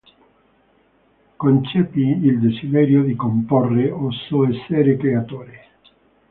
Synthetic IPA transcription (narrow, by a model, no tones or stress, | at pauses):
kont͡ʃɛːpiild̪esid̪ɛːɾjod̪ikomporːeosoɛsːɛɾekɾeat̪oːɾe